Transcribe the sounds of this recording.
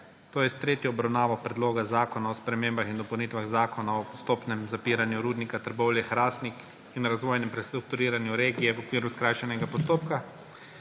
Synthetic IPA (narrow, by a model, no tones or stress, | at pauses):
t̪oːjɛst̪ɾeːt̪jɔɔbɾawnaːʋɔpɾɛd̪loːɡazaːkɔnaɔspɾɛmeːmbaxind̪ɔpɛwnit̪ʋaɣzaːkɔnaɔpɔst̪oːpnɛmzapiːɾanjuɾuːd̪nikat̪əɾbɔwlʲjɛxɾaːsnik | inɾazʋoːjnɛmpɾɛst̪ɾuk̚t̪uɾiːɾanjuɾeːɡijɛʋɔkʋiːɾuskɾaːjʃɛnɛɡapɔst̪oːpka